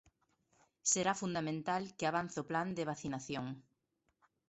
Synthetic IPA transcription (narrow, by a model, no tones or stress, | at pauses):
seɾafund̪amẽnt̪alkɪaβan̟θopland̪ɪβaθinaθjoŋ